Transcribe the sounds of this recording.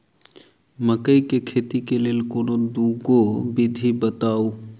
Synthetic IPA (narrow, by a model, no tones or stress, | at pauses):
məkəikekʰet̪ikeleːlkoːnod̪uɡobid̪ʱibət̪aːo